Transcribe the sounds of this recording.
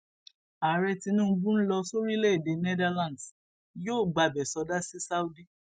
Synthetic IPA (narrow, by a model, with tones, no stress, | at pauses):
a˨ɾɛ˧ti˧nũ˦bũ˦n̩˦lɔ˧so˦ɾi˦le˦e˦˨de˨nɛ˦da˧lã˨ds | joː˦˨ɡ͡ba˧bɛ˨sɔ˧˦da˦si˦sa˦u˦di˦